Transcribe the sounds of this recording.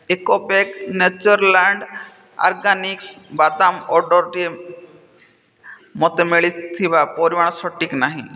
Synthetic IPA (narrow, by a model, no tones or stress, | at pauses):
ekɔbeknet͡ʃɔɾlaɳɖ | a̰ɾɡaniksbad̪amɔɾɖɔɾʈie | mɔt̪emeɭit̪ʰibapɔɾimaɽ̃sɔʈiknaɦĩ